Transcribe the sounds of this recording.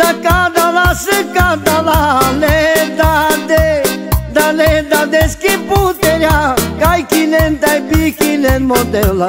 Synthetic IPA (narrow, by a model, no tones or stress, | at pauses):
t̪ɐkad̪alasɪkad̪alaled̪ad̪ed̪aled̪ad̪eskiput̪eɾakajkinent̪aibikinenmod̪eola